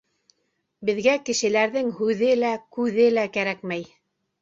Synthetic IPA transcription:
bɘ̆ðɡækɘ̆ʃɘ̆læɾðɘŋhʉðɘlækʉðɘlækæɾækmæj

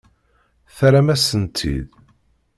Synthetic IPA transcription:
θɾæmæsənt̪ʰḭð

